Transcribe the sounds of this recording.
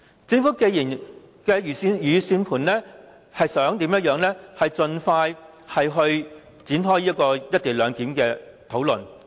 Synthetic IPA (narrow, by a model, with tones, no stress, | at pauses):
t͡sɪ˧ŋfuː˨˥ke˧jiː˨˩n | kɛː˧jyː˨˩si˧jyː˨˧siː˧npʰuː˨˩nlɛː˥ | hɐ˨jsœː˨˥ŋt̪iː˨˥mjɐ˥t̚jœː˨˧ŋlɛː˥hɐ˨jt͡sɵ˨nfaː˧j | hɐ˨jɦɵ˧ɥ | t͡siː˨˥nɦɔː˥jiː˥kɔː˧jɐ˥t̪̚iː˨˩lœː˨˧ŋkiː˨˥mkɛː˧t̪ʰo˨˥wlɵ˨n